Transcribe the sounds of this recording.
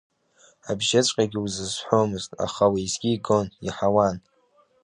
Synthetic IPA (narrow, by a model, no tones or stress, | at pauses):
abʒat͡ɕʷʼqʲʼaɡʲɪuzɨzħʷomɨztʼa̰χawaizɡʲiːɡonḭħawan